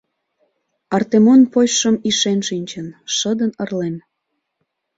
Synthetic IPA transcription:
ɑrt̪emonpojʃəmiʃenʃinʲt͡ɕənʃəd̪ənərlen

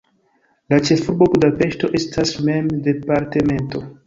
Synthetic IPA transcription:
lat͡ʃe̞fuɾbobudape̞ʃto̞ʔe̞stʰasme̞mde̞paɾteme̞nto̞

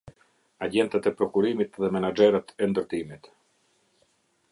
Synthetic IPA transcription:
aɟɛnt̪ɛt̪ɛpɾɔkuɾimit̪ðɛmɛnad͡ʒɛɾət̪ɛnd̪əɾt̪imit̪

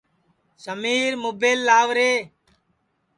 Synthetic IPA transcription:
səmiːɾmʊbeːlːaːʋɾeː

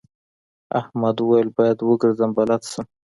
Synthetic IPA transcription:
a̰hmad̪uwajəlbɑjad̪wəɡəɾzəmbalat̪səm

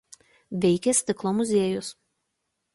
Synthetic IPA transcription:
ʋʲɛɪkʲɛsʲt̪ʲɪklˠomʊzʲeɛjʊs

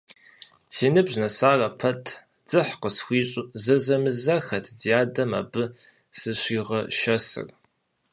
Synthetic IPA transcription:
siːnɨbʑnɐsaːrɐpʰɐtʰ | d͡z̥ɨħqəsxʷiːɕʼuzɐzɐmɨzɐxɐtʰdijaːdɐma̰ːbɨ | sɨɕiːʁɐʃɐsɨ̰r

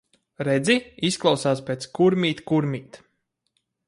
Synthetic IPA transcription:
ɾɛd̪ziisklˠawsaːspʲeːt̪skuɾmʲiːt̪kuɾmʲiːt̪

